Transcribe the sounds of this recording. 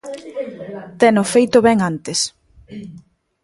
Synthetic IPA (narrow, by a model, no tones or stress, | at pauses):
t̪ɛnʊfejt̪ʊβɛŋant̪ɪs